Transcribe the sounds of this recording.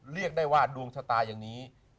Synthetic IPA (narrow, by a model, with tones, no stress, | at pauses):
ɾi˥˩ək̚daː˥˩jwaː˥˩du˧əŋsʰa˧t̪aː˧jaː˨˩ŋniː˦˥